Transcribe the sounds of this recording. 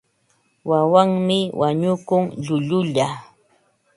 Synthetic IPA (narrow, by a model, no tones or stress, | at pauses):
wawaŋmɪwʔaɲʊkʊŋʎʊʎʊʎa